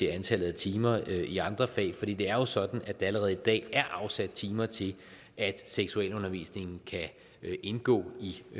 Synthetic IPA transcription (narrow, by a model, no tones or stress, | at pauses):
e̝ænt͡sʰælð̩ˠæt͡sʰiːmɐʔiɑ̈nd̥ʁɐfɛ̰ːɪfɒd̥ḭːd̥e̝æɐjo̝sɒ̽d̥n̩æd̥ɑ̈æləʁɛːð̞̩ˠid̥ɛ̰ːæɐʔɑ̈ʊsæd̥̚t͡sʰiːmɐt͡sʰe̝l | ʔæd̥seɡ̥suɛ̰lɔ̽nɐʋḭːsne̝ŋn̩kʰæ | ʔe̝nɡ̥ɔ̰ːi